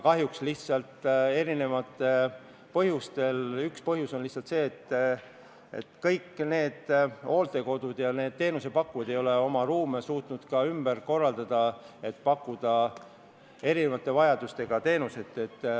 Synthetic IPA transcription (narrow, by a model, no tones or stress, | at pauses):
kɑɦjuksliht̪sɑlt̪e̞ɾine̞vɑt̪ːˑe̞ | pɤɦjust̪e̞lykspɤɦjuso̞nliht̪sɑlt̪se̞ːt̪ː | e̞̰t̪kɤjkːne̞ːd̪̥o̞ːlt̪e̞ko̞d̪̥ud̪̥jɑne̞ːd̪̥̚t̪e̞ːnusepɑkːujɑd̪e̞jo̞le̞o̞mɑɾuːmesuːt̪ˑnud̪̥kɑymb̥erko̞rːɑld̪̥ɑd̪̥ɑ | e̞t̪ːˑpɑkˑːud̪̥ɑ | e̞ɾine̞vɑt̪ːˑe̞vɑjɑd̪̥ust̪e̞ɡ̥ɑt̪e̞ːnuse̞t̪ːˑe̞t̪ː